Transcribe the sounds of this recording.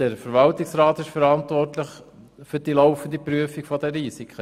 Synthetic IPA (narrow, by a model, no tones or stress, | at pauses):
dəɾfəɾʋɑltiksɾaːt̪ɪʃfəɾɑnt̪ʋɔrtləχ | fyɾd̥iloʊfən̩d̪ipɾyəfiɡ̥fɔd̪ɛɾiːsikχə